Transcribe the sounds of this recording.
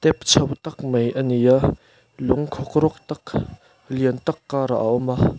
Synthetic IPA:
t̪ɛp̚t͡sʰɐwt̪ɐk̚mɐjʔənija | lʊŋkʰɔkɾɔk̚t̪ɐk | liənt̪ɐkːaɾa̰ʔa̰ʔɔma

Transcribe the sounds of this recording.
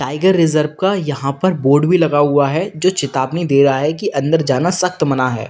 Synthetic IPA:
ʈaːɪɡəɾːɪzəɾʋkajɐɦãpɐɾboːɾɖbilɐɡaɦʊaɦɛd͡ʒoːt͡ʃɪt̪aːbnid̪eːɾɐɦaɦɛkiʔɐ̃nd̪əɾd͡ʒaːnasɐxt̪mɐnaɦɛ̰ː

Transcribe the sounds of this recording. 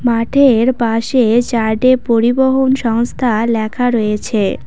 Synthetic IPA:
maʈʰeɾpaʃet͡ɕaɾɖepoɾiboɦonʃɔŋst̪ʰalɛkʰaɾojet͡ɕʰe

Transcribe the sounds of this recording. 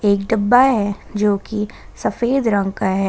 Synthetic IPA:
eːkɖɐbːaɦɛ | d͡ʒoːki | sɐfeːd̪ɾə̃ŋɡkaɦɛ

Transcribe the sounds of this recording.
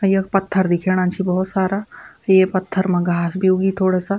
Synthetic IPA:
ɐjɐk̚pɐt̪ʰːəɾd̪ɪkʰeːɽ̃ãːnt͡ʃʰibɔɦɔt̪saːɾa | jepɐt̪ʰːəɾmɐ̃ɡʱaːsbʱioɡit̪ʰoːɽasa

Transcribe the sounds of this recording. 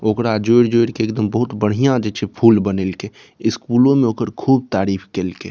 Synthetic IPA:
oːkɾad͡ʒoɪɾd͡ʒoːɪɾkeːkd̪əmbəɦʊt̪bəɽ̤ijãd͡ʒɛt͡ʃʰepʰuːlbənelke | ɪskuːlõmẽoːkəɾkʰuːb̚t̪aːɾiːpʰkeːlkḛ

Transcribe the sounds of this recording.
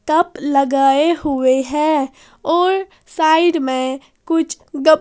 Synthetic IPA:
t̪əpləɡaːeɦʊweɦɛ | ɔːɾ | saːɪɖmẽ | kʊt͡ʃʰ | ɡə

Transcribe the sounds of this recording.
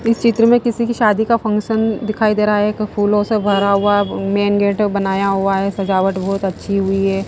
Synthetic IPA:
ɪst͡ʃɪt̪ɾəmẽkɪsikiʃaːd̪ikafʰɐ̃ŋkʃənd̪ɪkʰaːid̪eːɾaaɦɛkpʰuːlõsebʱɐɾaɦʊameːnɡeːʈbɐnaːjaɦuaɦɛːsɐd͡ʒaːʋəʈbɔːt̪ɐtːʃʰiɦʊiɦɛː

